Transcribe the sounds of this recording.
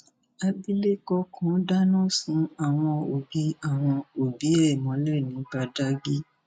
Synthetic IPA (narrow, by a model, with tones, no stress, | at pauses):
a˧bi˦le˦kɔ˧kʰɔ̃˨˦da˦nɔ̃˦˨sũ˨˦a˨w̃ɔ̃˧o˨bi˨˦a˦˨w̃ɔ̃˧o˨bi˨˦e˦ɛ˨mɔ̃˨˦lɛ˦˨nĩ˨˦ba˧da˦ɡi˦